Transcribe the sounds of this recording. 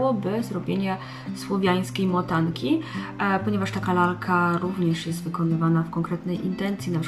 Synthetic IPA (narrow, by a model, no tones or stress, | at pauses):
wɔbɘzɾɔbʲjeɲɛ | swɔvʲjaj̃skʲejmɔt̪aŋkʲipɔɲɛvaʂt̪akalalkʰaɾuvɲɛʂjɛst̪vɘkɔnɘvanafkɔŋkɾɛt̪nɛjʔint̪ɛnt̪sʲinapʂ